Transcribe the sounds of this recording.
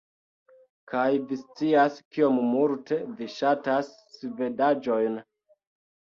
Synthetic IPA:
kʰajvist͡siaskio̞mmulte̞viʃatasːive̞dad͡ʒo̞jn

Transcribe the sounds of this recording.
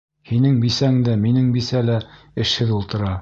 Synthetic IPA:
hinɘŋbisæŋd̪æminɘŋbisælæ | ɘ̆ʃhɘðulˠt̪ɤ̆ɾɑ

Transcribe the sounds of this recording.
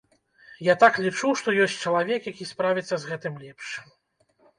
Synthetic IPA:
jat̪aklʲit͡ʂuwʂt̪ɔjɔsʲt͡sʲt͡ʂɐlˠavʲɛkjakʲispɾavʲit̪sːɐzɣɛt̪ɨmlʲɛpʂ

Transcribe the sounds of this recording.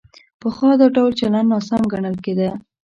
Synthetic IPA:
pəxwɑd̪ɑɖawlt͡ʃalannɑsamɡaɳəlked̪ə

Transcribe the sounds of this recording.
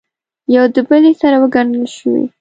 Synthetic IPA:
jawd̪əbəlesaɾawəɡaɳəlʃəwḭ

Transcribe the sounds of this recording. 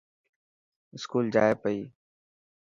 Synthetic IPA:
ɪskuːld͡ʒa̰ːepəiː

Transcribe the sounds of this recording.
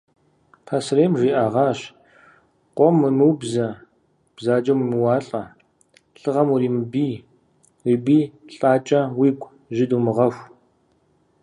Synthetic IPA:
pʰɐsreːmʒiːʔaːʁɑːɕ | qʷɔmːɨmɨwbzɐ | b̥zaːd͡ʒʼɐwimɨwɑːɬʼɐ | ɬɨʁɐmuriːmɨbiː | riːbiːɬʼaːt͡ʃʼɐwiːkʷʼ | ʒɪduːmɨʁɐxʷ

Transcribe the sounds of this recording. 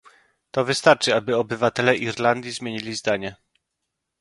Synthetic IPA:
t̪ɔvɘst̪aɾt͡ʂɘabɘɔbɘvat̪ɛlɛʔiɾland̪ʲjizmʲjeɲilʲizd̪aɲɛ

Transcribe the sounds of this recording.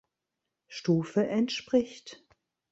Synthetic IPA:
ʃtuːfəʔɛntʃpʁ̥ɪçt

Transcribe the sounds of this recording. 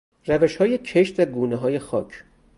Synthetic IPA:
ræveʃhɒːjecʰeʃt̪æɾɡuːneɦɒːje̞xɒːcʰ

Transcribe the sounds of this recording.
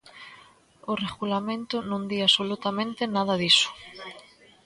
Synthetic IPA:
oreɣulamẽnt̪ʊnõnd̪iasolut̪amẽnt̪ɪnaðɐðisʊ̥

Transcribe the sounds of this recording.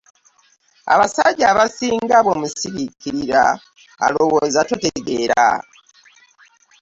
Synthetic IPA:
a̰βasaɟaβasiːŋɡaβo̞musiβikːiɾiɾa | a̰lo̞wozatoteɡe̞ɾa̰

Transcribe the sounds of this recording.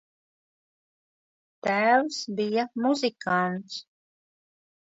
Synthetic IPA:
t̪æːwsbijamuzikant̪s

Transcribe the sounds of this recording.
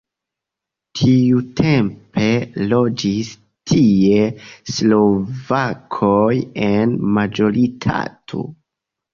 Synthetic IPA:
tʰiutʰe̞mpe̞lo̞d͡ʒis | tʰie̞slo̞vakʰojenmad͡ʒo̞ɾitʰa̰tʰo̰

